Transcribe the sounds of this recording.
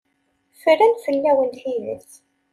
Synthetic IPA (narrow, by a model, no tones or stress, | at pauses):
fəɾænfəlːæwənt̪θiðə̰s